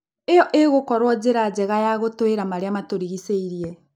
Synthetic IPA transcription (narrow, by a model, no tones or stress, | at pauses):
ejɔʔeɣokɔɾwɔd͡ʑeɾad͡ʑɛɣajaɣotoeɾamaɾeamatoɾiɣiseiɾiɛ